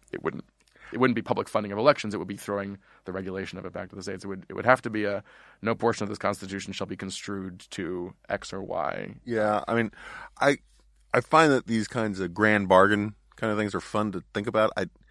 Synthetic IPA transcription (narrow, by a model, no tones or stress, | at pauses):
ɨ̰t̚wʊ̰dⁿn̩t | ɨt̚wʊdⁿn̩b̥ipʰʌbləkfʌ̃ndɪ̃ŋʌvəlɛkʃn̩zɨt̚wəd̚biθɹoʊɪ̃ŋ | ðɨɹɛɡjɨleɪʃɨ̃nʌvɨt̚b̥æ̰k̚tʌvðɨseɪtsɨt̚wɨɾɨ̰t̚wɨ̰d̚hæftɨbiɨnoʊpʰɔɹʃɨ̃nʌvðɪskʰɑ̃nstɨtʰʉʃn̩ʃəl̩ˠbikʰn̩stɹ̥ʉd̚tʰɨʔɛ̰ksə˞wa̰ɪjæa̰ɪmĩnʔaɪ | ʔaɪfãɪ̃nðɨt̪̚ðiz̥kʰãɪ̃ndzʌvɡɹæ̃nbɑɹɡɨ̃n | kʰãɪ̃ndəθɪ̃ŋzə˞fʌ̃ntɨθɪ̃ŋkɨbaʊɾa̰ɪ